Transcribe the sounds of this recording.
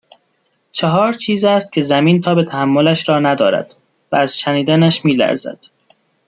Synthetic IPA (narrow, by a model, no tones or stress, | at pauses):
t͡ʃʰeɦɒːɾt͡ʃʰiːzæːst̪̚cʰe̞zæmiːnt̪ʰɒːbe̞t̪ʰæhæmːolæʃɾɒːnæd̪ɒːɾæ̰d̪̥ | vææz̥ʃæniːd̪ænæʃmiːlæ̰ɾzæ̰d̪̥